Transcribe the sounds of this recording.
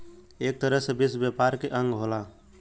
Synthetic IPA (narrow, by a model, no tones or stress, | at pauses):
eːk̚t̪əɾəɦsəbisbjepaɾkeʔə̃ŋɡɦola